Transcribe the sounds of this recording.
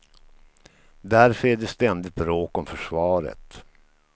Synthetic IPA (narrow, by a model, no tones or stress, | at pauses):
d̪æɾfœɾæɖɛst̪ɛnd̪ɪt̪ɾoːkɔmfœʂvɑːɾə̰t̪